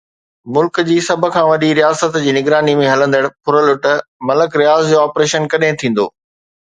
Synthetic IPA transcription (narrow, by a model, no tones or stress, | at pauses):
mʊlkd͡ʑiːsɐbʱʊ̆kʰãːʋɐɗiɾijaːsət̪d͡ʑiːnɪɡɾaːnimẽɦɐlə̃nd̪əɽ̃pʰʊɾəlʊʈmɐləkɾijaːzd͡ʑoːaːpɾeːʃənkɐɗɦẽɪ̃t̪ʰĩːn̆d̪o̰ː